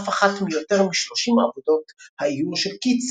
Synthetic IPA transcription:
faχatmijo̞teʁmiʃlo̞ʃimaavodo̞thaijuloʃelkit͡s

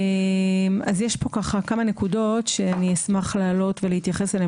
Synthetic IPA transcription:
mazjeʃpo̞kaχakamane̞kudo̞tʃeaniesmaχlaːlo̞tvelehit̪jaχe̞sele

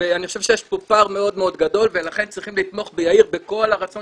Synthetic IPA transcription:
eaniχoʃe̞vʃejeʃpo̞paʁmeo̞d̪meo̞d̪ɡad̪o̞lve̞laχe̞nt͡sʁiχimlit̪mo̞χbejaiʁbeko̞laʁat͡so

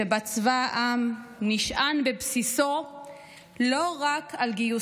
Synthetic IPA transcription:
ebat͡svaʔamniʃʔanbebsiso | lo̞ʁakʰalɡiju

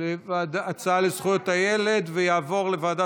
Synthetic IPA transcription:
evad̪at͡saalezχujot̪haje̞le̞d̪vejaːvo̞ʁle̞vaːd̪a

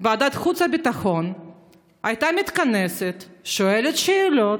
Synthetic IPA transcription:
bead̪at̪xut̪sɐbit̪axo̞n | ajt̪amʲit̪kaneset̪ʃoelet̪ʃeːlo̞t

